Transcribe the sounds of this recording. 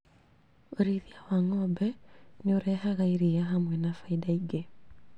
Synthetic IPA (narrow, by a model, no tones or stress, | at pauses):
oɾiðiawaŋɔbɛneoɾɛhaɣaiɾiaɦamwɛnafaidaiɡe